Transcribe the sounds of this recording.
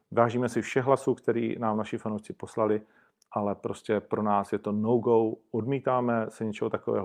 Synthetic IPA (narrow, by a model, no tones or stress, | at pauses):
vaːʒiːmɛsɪfʃɛɣɦlasuːkt̪ɛɾḭːnaːmnaʃɪfanowʃt͡sɪpo̞slalɪ | ʔalɛpɾo̞scɛpɾo̞naːsjɛt̪o̞nowɡowʔodmiːt̪aːmɛsɛɲɛt͡ʃɛɦot̪akovɛ̰ːɦo